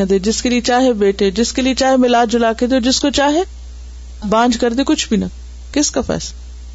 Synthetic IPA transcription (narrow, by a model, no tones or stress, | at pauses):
ə̃d̪ed͡ʑɪskeliet͡ɕaːɦebeːʈʰed͡ʑɪskeliet͡ɕaːɦemɪlaːd͡ʑʊlaːkẽd̪iod͡ʑɪskot͡ɕaːɦe | bãːɲd͡ʒʱkɐɾd̪ekʊd͡ʒʰʱbʱinɐ | kɪskafʰɛ̰ːs